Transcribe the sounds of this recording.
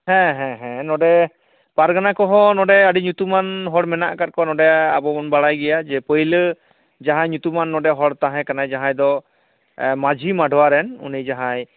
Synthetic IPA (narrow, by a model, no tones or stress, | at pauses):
hɛ̃ɦɛ̃ɦɛ̃nɔɖɛ | paɾɡanakɔɦɔnɔɖɛəɖiɲut̪umanɦɔɽmɛna̰ʔkat̚kɔnɔɖɛabɔmɔnbaɽajɡɛjad͡ʒɛpəjlə | d͡ʒaɦãjɲut̪umanːɔɖɛɦɔɽt̪aɦɛ̃kanajd͡ʒaɦãjd̪ɔ | mad͡ʒʱimaɖʱɔwaɾɛnṵnijd͡ʒaɦãj